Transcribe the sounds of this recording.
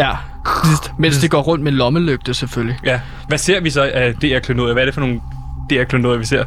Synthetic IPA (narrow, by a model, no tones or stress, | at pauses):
æ | isd̥men̰sd̥e̝ɡ̥ɒ̰ːʁɔ̽n̰d̥̚melɒ̽məløɡ̥̚d̥əsefølliæ | ʋæse̝ɐ̰ʋisɒ̽æd̥e̝̰ːæɐkʰløndoðˠɐʋæɐɾ̥e̝fɒ̽no̝ːn̩ | d̥e̝̰ːæɐkʰløndoðˠɐʋise̝ɐ̰